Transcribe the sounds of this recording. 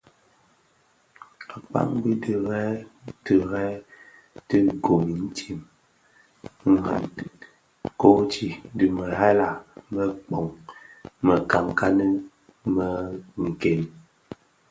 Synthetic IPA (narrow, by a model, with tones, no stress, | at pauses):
a˨k͡pa̰˦ŋbi˦də˨ɣɛ˦tə˨ɣɛ˦ | tə˦ɡo˨mi˨n̩˦ti˦˨m˦ | a˨n | ko˦t͡ʃi˦˨˦də˨mə˨ɦa˦la˨mə˦k͡pɔ˨ŋ | mə˨ka˨ŋka˦nə˦ | mə˨ŋ̩˨ke˨n